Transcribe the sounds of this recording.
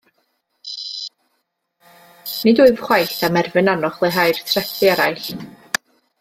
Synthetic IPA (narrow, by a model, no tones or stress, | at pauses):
nɨdʊɨvχwajθamɛrvɨnanɔχlˠeɦajrtʰrɛθɪaɾajɬ